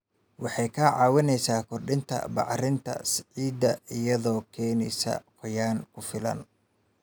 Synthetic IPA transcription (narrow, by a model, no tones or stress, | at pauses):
wɑħɑjkʰɐʕɑːwɪnɛjsaːkʰɔrɖɪnt̪ʰɐ̰bɑ̰ʕrɪnt̪ʰɐ̰sʕiːd̪ɐɪjɐðɔːkʰɛːnɛjsɐ̰qɔjaːnkʰʊfɪlɐ̰n